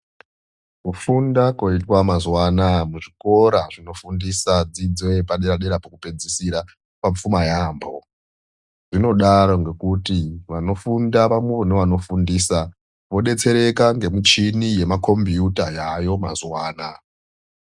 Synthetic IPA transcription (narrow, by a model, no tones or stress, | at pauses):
kufundako̞itwamazwaːnamuʐiko̞ɾaʐino̞fundisad͡zid͡zwe̞paɗeɾaɗeɾapokuped͡zisiɾa | paɱfumajaːmbo̞ | ʐ̥ino̞ɗaɾo̞ŋɡe̞kutiʋano̞fundaʋamweʋoneʋano̞fundiːsa | ʋo̞ɗe̞t͡se̞ɾe̞kaŋɡe̞mut͡ʃinije̞mako̞mbijutajajo̞ma̰zwaːna